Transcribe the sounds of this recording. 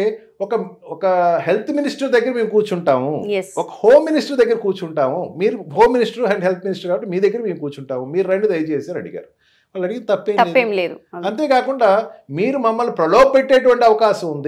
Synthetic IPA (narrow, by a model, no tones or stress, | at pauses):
e | ɔkɐɔkɐɦe̞lt̪ʰminisʈɐɾd̪ɐɡːɐɾɐme̞ːmukuːt͡ʃuɳʈaːmujsɔkɐ̥hoːmːinisʈɐɾd̪ɐɡːɐɾɐkuːɾt͡ʃuɳʈaːmumiːɾuɦo̞ːmːinisʈɐɾɦɐɳɖɦelt̪̚ʰminisʈɐɾkaːbɐʈːemiːd̪ɐɡːɐɾɐme̞ːmukuːɾt͡ʃuɳʈaːmumiːɾunɐɳɖid̪ɐjɐt͡ʃeːsaːɾɐɽiɡa̰ːɾu | ʋaːlːɐɽiɡinɐt̪ɐpːeːmɐeːmleːd̪uɐnt̪e̞ːkaːkuɳɖaːmiːɾumɐmːɐlːupɾɐlɔːb̚peʈːeːʈ̬uʋɐɳʈiɐʋɐkaːʃɐmund̪i